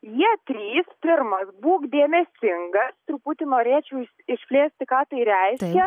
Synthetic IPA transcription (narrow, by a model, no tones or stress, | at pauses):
jiɛt̪ʲɾʲiːspʲɪrmɐsbuːkd̪ʲeːmʲɛsʲt̪ʲɪŋɡɐst̪ɾuput̪ʲɪnoːɾʲeːt͡ʃʲɛʊ | ɪʃʲpʲlʲeːsʲt̪ʲɪkɑːt̪ɐɪɾʲɛɪʃʲkʲɛ